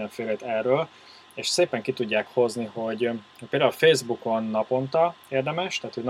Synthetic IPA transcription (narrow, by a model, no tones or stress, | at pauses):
ɛɱfeːlɾɛt̪ɛrːøːl | eːʃseːpɛŋkit̪uɟːaːkho̞zniho̞ɟhoc̚peld̪aulfeːzbuko̞nːɒpo̞nt̪ɒ | eːrd̪ɛmɛʃt̪æːt̪hoɟn